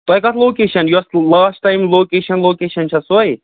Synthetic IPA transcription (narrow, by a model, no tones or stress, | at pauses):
t̪ɐjkɐt̪loːkeːʃɐnjuɐslaːsʈːajmloːkeːʃɐnloːkeːʃɐnt͡ʃʰɐsoj